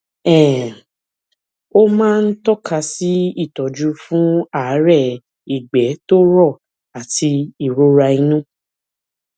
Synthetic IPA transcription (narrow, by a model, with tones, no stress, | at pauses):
ɛ̃˦˨ | o˦mãː˦˧n̩˦tɔ˦ka˧si˦i˦˨tɔ˨d͡ʒu˦fũ˦a˦˨˦ɾɛ˦˨ | i˨ɡ͡bɛ˨˦to˦ɾɔ˦˨ | a˨tʰi˧i˦˨ɾo˦ɾa˧ĩ˧nũ˦